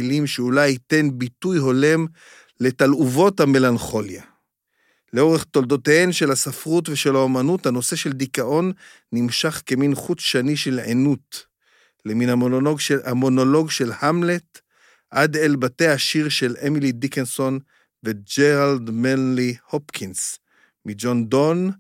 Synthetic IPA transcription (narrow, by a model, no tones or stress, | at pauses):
ilimʃeulajite̞nbitujɦo̞le̞m | le̞taluvo̞thame̞lanχo̞lja | leo̞ʁeχt̪o̞ldo̞tehenʃe̞lhasafʁutveʃe̞laomanuthano̞se̞ʃe̞ld̪ikaʔo̞nː | imʃaχkeminχut͡sʃaniʃe̞lʕḛnut | leminaamo̞no̞lo̞ɡʃe̞lhamlet | ʔad̪elbateaʃiʁʃe̞lemilidikenso̞n | ved͡ʒeʁald̪menlihopkʰins | mid͡ʒo̞ndon